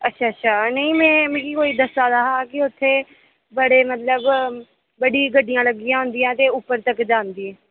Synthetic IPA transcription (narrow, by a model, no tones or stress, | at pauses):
ətːʃʰaːətːʃʰaːnəĩːmɛ̃ːmẽːkikoːiːd̪əsaːɾəɦaːkɪʊt̪ʰːeː | bəɽeːmət̪ləb | bəɽiːɡəɖɪjãːləɡɪjãːɦʊ̃nd̪ɪjãːt̪eːʊpːəɾt̪əkd͡ʒaːnd̪iẽː